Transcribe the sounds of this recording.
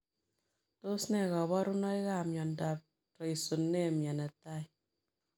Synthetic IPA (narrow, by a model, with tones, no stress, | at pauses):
to˦snɛ˦˨kɔ˨βɔ˦ɾu˦nɔ˦i˦ka˦˨mjɔ˨nda˨p̚ | tɔ˨i˨so˨nːe˦˨mja˨nɛ˨ta˦j